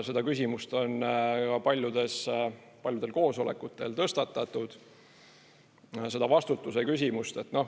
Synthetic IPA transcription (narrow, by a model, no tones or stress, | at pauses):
se̞d̪ɑkysʲimust̪o̞nkɑpɑlʲjud̪̥e̞s | pɑlʲjud̪elko̞ːso̞le̞kːˑut̪ˑːe̞lt̪ɤst̪ɑt̪ːˑɑt̪ːˑud̪̥ | se̞d̪ɑvɑst̪ut̪ːˑusekysʲimust̪e̞t̪ːno̞h